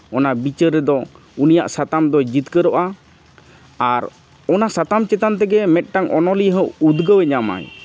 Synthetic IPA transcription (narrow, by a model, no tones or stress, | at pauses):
ɔnabit͡ʃəɾːɛd̪ɔ | unijaʔsat̪amd̪ɔd͡ʒit̪kəɾɔʔa | aɾ | ɔnasat̪amt͡ʃɛt̪ant̪ɛɡɛmɛt̪̚ˀʈaŋʔɔnɔliɦəud̪ɡəwɛɲama̰j